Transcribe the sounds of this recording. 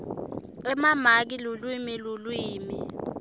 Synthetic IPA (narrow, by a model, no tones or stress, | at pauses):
ɛmamak̬ilulwimilulwiːmi